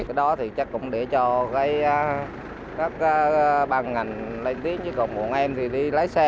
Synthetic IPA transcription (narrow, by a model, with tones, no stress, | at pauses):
kaː˨˦jɗɔ˨˦t̪ʰi˨˩t͡ɕa˦˥kːʊ̰˧˥ŋ͡mɗɛ˧˩t͡ɕɔ˧kaː˨˦ja˨˦ | kaː˦˥k̚aː˨˦ɓaː˧˩ŋŋa˨˩jŋ̟lə˧jnt̪i˨˦əŋt͡ɕɨː˨˦kə˨˩wŋ͡mɓṵ˨˧˩ənʔɛ˧mt̪ʰi˨˩ɗi˧ləː˨˦jsɛ˧